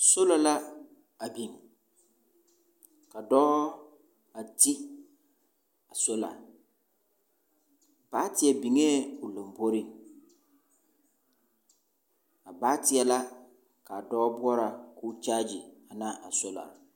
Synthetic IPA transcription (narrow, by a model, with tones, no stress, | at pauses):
so˦la˨la˦ | a˨bi˨ŋ | ka˨dɔː˦ | a˨ti˦ | a˨so˦la̰˨ | b̥aː˨˦tɪ˨ɛ˨bi˨ŋeː˦ʊ˨lo˨mbo˦ɾi˦ | a˨baː˦tɪ˨ɛ˨la˦ | ka˨dɔː˦bʊ˦ɔ˦ɾa˨ku˦t͡ʃaː˦d͡ʒi˨a˨na˦a˨so˦la̰˨